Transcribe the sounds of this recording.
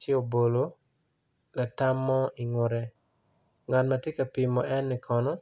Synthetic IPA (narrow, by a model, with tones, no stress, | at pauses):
t͡ʃɛ˦o˨bo˨lo˨ | la˨ta˦mːɔ˦i˨ŋo˨ɾɛ˦ | ŋa˨tma˨tje˦ka˨pi˨mɔ˨ʔɛ˦nːɪ˨kʰɔ˨nɔ˦